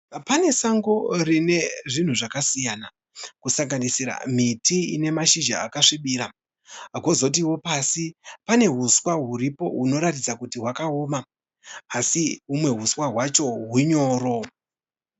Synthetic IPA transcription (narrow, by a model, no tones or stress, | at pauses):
pane̞saŋɡo̞rine̞ʐin̤uʐakasijana | kusaŋɡanisiɾa̰m̤itḭːne̞maʃid͡ʒa̰ːkaʂiɓiːɾa | aɡo̞zot̬iwo̞pasipane̞ɦuswaɦuripo̞̰ɦuno̞ɾatid͡zakutiɦwakaoːmaː | siumwe̞ɦuswaɦwat͡ʃo̞ɦuɲo̞ːɾo̞